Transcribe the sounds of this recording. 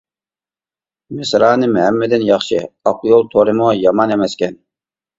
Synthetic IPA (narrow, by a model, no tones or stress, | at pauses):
mɪsɾɑːnɨmhɛmːɪd̪ɪnjɑχʃɪɑqjolˠt̪ʰoɾɨmʊjɑmɑnemɛskʲɛn